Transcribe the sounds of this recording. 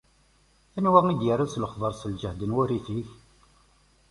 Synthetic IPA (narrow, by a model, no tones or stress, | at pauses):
ænwæŋid̪jərːasləχðˤəɾˤsəld͡ʒəhd̪ənwʊɾiθiç